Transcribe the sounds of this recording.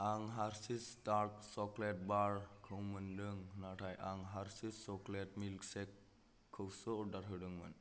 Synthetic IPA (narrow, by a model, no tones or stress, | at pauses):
aŋɦaɾsistaɾk̚sɔklet̚baɾkʰɯwmɯndɯŋnatʰajʔaŋɦaɾsissɔkletmilksɛkʰː | ɯwsɔdaɾɦɯwdɯŋmɯn